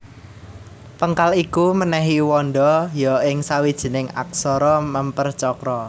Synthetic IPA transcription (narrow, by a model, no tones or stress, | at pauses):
pəŋkalikumənɛɦiwɔnɖɔjɔʔɪŋsawid̥ʒ̥i̤nɪŋa̰k̚sɔɾɔməmpərt͡ʃɔkɾɔ